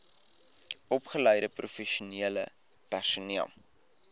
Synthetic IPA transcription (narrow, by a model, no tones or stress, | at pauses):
ɔpχələjɾəprʔufɛʃuniələ̰ | pærsuniə̰lˠ